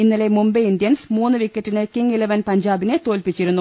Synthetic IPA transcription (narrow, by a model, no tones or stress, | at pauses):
inːɐle̞mumbɐindijɐnsmuːnːɨʋikʲːɐtːinɨkiŋɡilɐʋɐnpɐɲd͡ʑaːbinet̪o̞ːlpit͡ɕːiɾunːu